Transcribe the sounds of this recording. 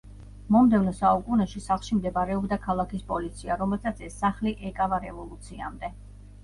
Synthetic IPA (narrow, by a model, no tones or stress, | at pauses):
mɔmd̪ɛvnɔsaukʼunɛʃisaχlˠʃimd̪ɛbaɾɛɔbd̪akʰalˠakʰispʼɔlit̪sʰiaɾɔmɛlˠsʰat̪sʰɛsːaχliʔɛkʼavaɾɛvɔlˠut̪sʰia̰md̪ɛ